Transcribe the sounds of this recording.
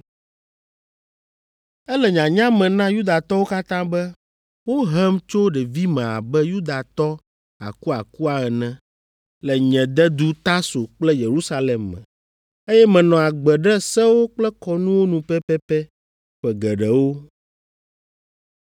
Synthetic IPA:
ɛ˦lɛ˨ɲã˨ɲã˦mɛ̃˨nã˦ju˦d̪a˨t̪ɔ˦wo˦ka˦t̪ã˦bɛ˦ | wo˦ɦɛ˦mt͡ʃo˦ɖɛ˨vi˦mɛ̃˨a̰˨bɛ˦ju˦d̪a˨t̪ɔ˦ | a̰˨ku˦a˨ku˦a˨ɛ˨nɛ̃˦ | lɛ˨ɲɛ̃˨d̪ɛ˦d̪u˦t̪a˦so˨k͡plɛ˦je˨ɾu˦sa˦lɛ˨mːɛ̰̃˨ | e˦jɛ˦mɛ̃˨nɔ̃˨a˨ɡ͡bɛ˨ɖɛ˦sɛ˦wo˦k͡plɛ˦kɔ˦nũ˦wo˦nũ˨pɛ˦pɛ˦pɛ˦ | ɸɛ˨ɡɛ˨ɖɛ˨wo˦

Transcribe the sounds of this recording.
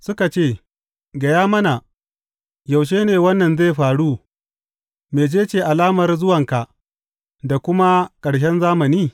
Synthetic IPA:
sʊ˦ka˨t͡ʃeː˦˨ | ɡɐ˨jaː˦mɐ˦na˨ | ja˨wʃ̬eː˦neː˨wɐ˦nːɐ˨nze˦˨ɸaː˨ɽu˦ | meː˨d͡ʒeː˦t͡ʃeː˨ʔa˨laː˦mɐ˨rzʊ˦wɐ˨ŋka˨ʔ | da˨kʷʊ˦ma˦kʼɐ˨ɽʃ̬ɛ˦nzaː˦mɐ˨niː˦

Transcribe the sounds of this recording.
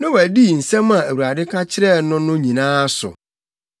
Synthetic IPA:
nã˦wæ˨di˦˨n̩˨sɛ̃˦mã˨æ˨wu˨ɾa˨dɪ˦kʰa˦t͡ɕʰɪ˦ɾɛ˦˨˦nʊ̃˦nʊ̃˦ɲĩ˨nãː˦sʊ̰˨

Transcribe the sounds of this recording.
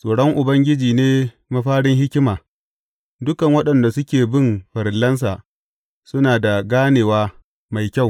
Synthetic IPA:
sʼoː˨ɽɔ˦ŋʔʊ˨bɐ˦ŋɡʲɪ˦d͡ʒiː˨neː˦ | ma˦ɸaː˦ɽɪ˦ŋhɪ˦kʲɪ˦maː˨ | dʊ˦kɐ˨ŋwɐ˦ɗɐ˨nda˨sʊ˦kʲeː˨bɪ˦˨mɸɐ˨ɾɪ˨lːɐ˦ns̬a˨ | sʊ˦naː˨da˨ɡaː˦neː˨waː˦ | ma˨jkʲa˦˨w

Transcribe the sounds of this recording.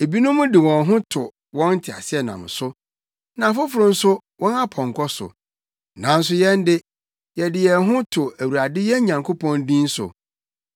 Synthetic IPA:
e˨bi˦nʊ̃˦mʊ̃˦dɪ˨wɔ̃˨nɦʊ̃˦tʰʊ˨ | wɔ̃˦n̩˦tʰɪ˨a̰˨sɪ˦ɛ˨nã̰˨m˨sʊ˦ | nã˨fʊ˦fʊ˨ɾʊ̃˦n̩˦sʊ˦ | wɔ̃˦na˦pʰɔ̃˨ŋkʰɔ˦sʊ̰˨ | nã˨˦n̩˦s̬ʊ˦jɛ˦n˦dɪ˦ | jɛ˨dɪ˨jɛ˨ɦʊ̃˦tʰʊ˨æ˨wu˨ɾa˨dɪ˦jɛ˦ɲã˨ŋkʰo˦pʰɔ̃˦ndĩ˦n̩˦sʊ̰˨

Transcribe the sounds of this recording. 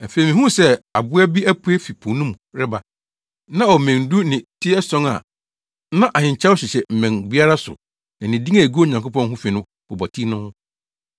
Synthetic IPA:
ɛ˨fe˨i˨mĩ˨ɦũ˦sɛ˦a˨bʊ˦æ˦bi˦æ˦pʰu˦e˦fi˨pʰũ˨nʊ̃˦m̃˨ɾɪ˦ba˨ | nã˦ɔ˨mæ̃˨n˨du˦nɪ̃˨tʰi˦ɛ˦sɔ̃˦ŋa̰˨˦ | nã˦ʔa˨ɪ̃˨ɲ˨t͡ɕʰa˦wɕɪ˨ɕɛ˨m̩˨mæ̃˨nbi˦a˦ɾa˦sʊ̰˨ | nã˨nɪ̃˨di˦ŋã˨ɡu˦o˦˨ɲã˨ŋkʰo˦pɔ̃˦nɦʊ̃˦fĩ˨nʊ̃˦ | bɔ˨bɔ˨tʰi˦nʊ̃˦

